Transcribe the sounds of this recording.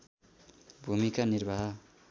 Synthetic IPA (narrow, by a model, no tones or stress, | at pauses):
bʱumikanirbʱaɦ